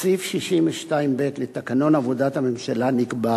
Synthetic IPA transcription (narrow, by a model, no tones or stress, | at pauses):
sifʃiʃimveʃtaimbe̞t̪let̪akano̞navod̪at̪hame̞mʃalanikba